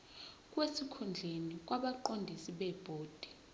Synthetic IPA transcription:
k̬ʼwesikʰund͡ɮʱenik̬ʼwaɓaǃondʱisiɓɛb̥ʱoːd̥ʱi̥

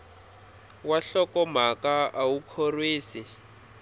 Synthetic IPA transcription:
waɬɔkɔm̤akaawukʰorwiːsi

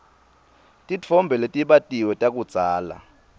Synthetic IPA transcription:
tʼit͡fʰɔmbʱɛletʼiɓatʼiwɛtʼak̬ʼud̥z̥ʱaːla̰

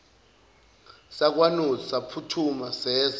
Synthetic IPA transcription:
sak̬ʼwanuzɔsapʰutʰumasɛːz

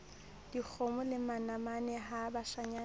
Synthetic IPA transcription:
d̥ik͡xʰomʊlɪmanamanɛɦabaʃaɲaː

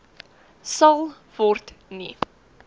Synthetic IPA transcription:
sɐlˠ | vɔrtni

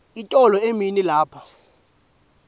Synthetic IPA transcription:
itʼɔlɔeminilaːpʰɔ̥

